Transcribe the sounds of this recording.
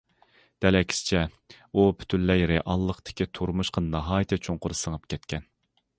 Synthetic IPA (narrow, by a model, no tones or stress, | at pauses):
d̪̥ɛlɛkʲʰi̥sɪ̥t͡ʃʰɛ | upʰy̥t̪ʰynːɛjɾeʔɑlˠːəχt̪ɪ̥kʲʰit̪ʰoɾmuʃqʰənnɑɦɑːjt̪ʰɨt͡ʃʰoŋqʊɾsəŋəp̚kʲʰɛt̪kʲʰɛn